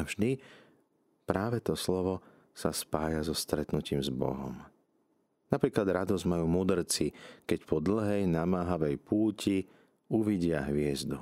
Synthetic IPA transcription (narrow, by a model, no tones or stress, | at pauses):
vʒd̪i | pɾaːʋɛt̪ɔslɔʋɔ | saspaːjazɔst̪ɾɛt̪nuciːmzbɔ̰ɦɔ̰m | napɾiːklad̪ɾad̪ɔzmajuːmud̪r̩t͡sikɛcpɔd̪l̩ɦɛjnamaːɦaʋɛjpʰuːcʰi | uʋiɟɪaɦʋɪɛzd̪u